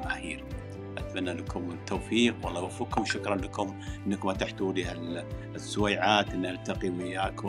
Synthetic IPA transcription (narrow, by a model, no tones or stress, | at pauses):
mʕaːhiːɾ | ʔat̪manːalakʰʊmɪt̪ːoːfiːqwɑlˤːɑwafːukːʊmʃʊkɾˤɑnlakʊmʔɪnːakmat̪aħt̪ulihal | sːʊwaːʕaːt̪ʔɪnːaʔalt̪aqimɪjːaːkʊ